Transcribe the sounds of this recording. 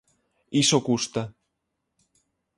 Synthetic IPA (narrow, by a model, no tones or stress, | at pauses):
isokust̪a